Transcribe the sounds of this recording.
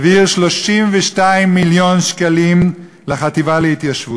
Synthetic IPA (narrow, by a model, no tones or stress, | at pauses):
viʁʃloʃimveʃtaimːiljo̞nʃkalim | leχat̪ivalehit̪jaʃvu